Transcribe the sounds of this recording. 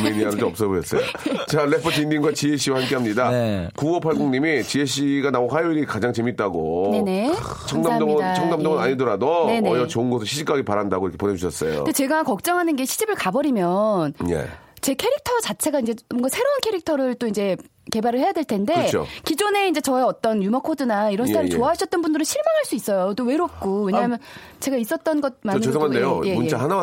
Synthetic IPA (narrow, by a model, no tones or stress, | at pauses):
meɲiaɾod͡ʑomʌps͈ʌboʌs͈ʌ̰jo̰t͡ɕaɭepʰʌtindiŋɡwat͡ɕiɦeɕ͈ʰiwahamk͈eɦamɲidakuwʌpʰaɭɡuŋɲimit͡ɕieɕʰiɡanaoɦajoiɾikad͡ʑaŋt͡ɕe̞mit̚t͈aɡonene | t͡ɕʰʌŋdamʌt͡ɕʰʌŋdamd͡ʑʌŋɯnaɲidʌɾadonenejʌt͡ɕoɯnɡʌsʰɯɭɕʰid͡ʑʰikʰaɡepaɾandaɡojɾkʰepone̞d͡ʑuɕʰʌs͈ʌjo̰ɡet͡ɕe̞ɡakʌk̚t͡ɕ͈ʌŋɦanɯnɡe̞ɕʰid͡ʑibɯɭkabʌɾimjʌnjḛt͡ɕe̞kʰe̞ɾik̚tʰʌt͡ɕat͡ɕʰe̞ɡaind͡ʑe̞ʌŋɡasʰe̞ɾounkʰe̞ɾik̚tʰʌɾɯɭt͈oind͡ʑe̞ | ke̞baɾɯɭhe̞jade̞ɭtʰe̞ndet͡ɕʰo̰kid͡ʑone̞ind͡ʑe̞t͡ɕʌeʌt͈ʌnjumʌkʰodɯnaiɾʌnaɾiɭt͡ɕoaɦaɕʰʌt͈̚ʌnbundɯɾɯɭɕʰiɭmaŋɦaɭs͈uis͈ʌjot͈owe̞ɾop̚k͈owe̞ɲaɦamjʌn | t͡ɕe̞ɡais͈ʌt̚t͈ʌnɡʌt̚manɯeaandejojeund͡ʑaɦanaw